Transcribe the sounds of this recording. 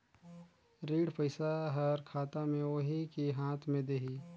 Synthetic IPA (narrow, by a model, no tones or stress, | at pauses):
ɾiːɽpəɪsaɦɐɾkʰaːt̪amẽoɦikiɦãːt̪ʰmẽd̪eɦiː